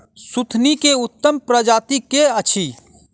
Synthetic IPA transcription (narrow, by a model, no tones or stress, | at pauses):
sʊt̪ʰnikeʊt̪ːəmpɾəd͡ʒaːt̪ikeət͡ʃʰi